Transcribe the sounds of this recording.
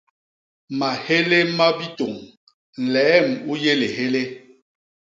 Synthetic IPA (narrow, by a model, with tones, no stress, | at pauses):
ma˨he˦le˦ma˦bi˦to˨ŋ˨ | lɛː˨˦˨mu˦je˦le˨he˦le˦